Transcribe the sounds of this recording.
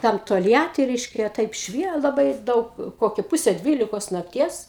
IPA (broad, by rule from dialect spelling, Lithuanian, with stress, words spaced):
ˈtɐm toːlʲˈjæːtʲɪ ˈrʲɛɪʃʲkʲɛ ˈtɐɪp ˈʃʲʋʲiɛ lˠɐˈbɐɪ ˈdɐʊk ˈkoːkʲɪ ˈpʊsʲɛ ˈdʲʋʲiːlʲɪkoːs nɐkˈtʲiɛs